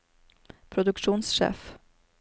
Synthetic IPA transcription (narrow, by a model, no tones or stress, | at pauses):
pʰɾʊd̪ɵkʂuːnsɕḛːf